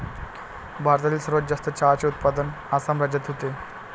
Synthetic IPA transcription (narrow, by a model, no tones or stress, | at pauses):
bʱaɾt̪aliːlsəɾʋətd͡zast̪ət͡ɕat͡seut̪̚pad̪ən | asamɾad͡ʑat̪ɦot̪e